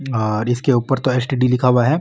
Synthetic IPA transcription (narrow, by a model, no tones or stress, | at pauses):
ɔːɾɪskeuːpəɾt̪oeːsʈiɖilɪkʰaːʋaɦɛː